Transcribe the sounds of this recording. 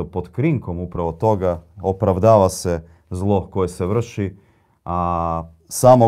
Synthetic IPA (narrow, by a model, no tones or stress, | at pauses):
opod̪kɾiŋko̞mupɾaʋot̪o̞ɡaopɾaʋd̪aːʋase | zlˠo̞ko̞jeseʋr̩ʃi | a | saːmo